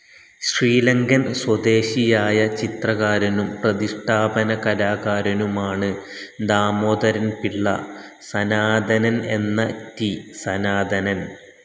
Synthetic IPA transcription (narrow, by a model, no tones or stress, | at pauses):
ɕriːlɐŋɡɐnswɐd̪eːɕijaːjɐt͡ɕit̪rɐɣaːɾɐnumprɐðiʂʈʰaːbɐnɐkɐlaːɣaːɾɐnumaːɳɨ | d̪aːmoːd̪ɐɾɐnpiɭːɐ̰ | sɐnaːd̪ʱɐnɐne̞̰nːɐt̪isɐnaːd̪ʱɐnɐn